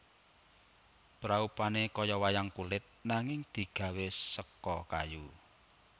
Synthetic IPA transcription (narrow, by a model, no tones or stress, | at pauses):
pɾaupanekɔjɔwajaŋkulɪt̪̚naŋɪŋd̪̥i̤ɡ̥a̤wesəkɔkaju